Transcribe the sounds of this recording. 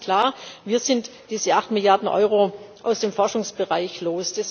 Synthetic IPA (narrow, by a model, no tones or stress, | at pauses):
kl̥aːɐviːɐzɪntd̥iːzəʔaχtmɪljaɐdn̩ʔɔ̰ʏʁoːʔaʊsd̥eːmfɔɐʃʊŋsb̥əʁaɪçloːsd̥ɛs